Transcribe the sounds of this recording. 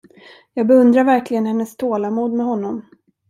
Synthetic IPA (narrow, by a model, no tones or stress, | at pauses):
jɑːɡbɛɵnd̪ɾaɾvæɾklɪɡənhɛnːɛst̪ʰoːlamuːd̪mɛɦɔnːɔm